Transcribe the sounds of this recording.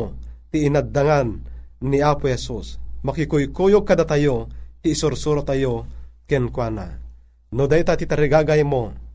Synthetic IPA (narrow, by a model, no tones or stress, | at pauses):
t̪iːnad̪ːaŋanːiaːpohɛsusmakikujkujoɡ̚kad̪at̪ajot̪iːsuɾsuɾat̪ajokɛnkwana̰ | nod̪ajot̪at̪it̪aɾiɡaɡajmo